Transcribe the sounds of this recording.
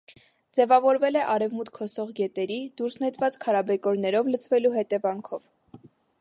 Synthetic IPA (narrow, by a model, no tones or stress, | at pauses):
d͡zɛvɑvɔɾvɛlɛʔɑɾɛvmut̪kʰɔsɔʁɡɛt̪ɛɾid̪̥uɾsnɛt͡svɑt͡skʰɑɾɑbɛkɔɾnɛɾɔvlət͡sʰvɛluɦɛt̪ɛvɑŋkʰɔv